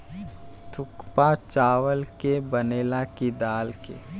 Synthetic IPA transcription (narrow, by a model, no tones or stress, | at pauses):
t̪ʰʊkpat͡ʃaːʋəlkebəneːlakid̪aːlkḛː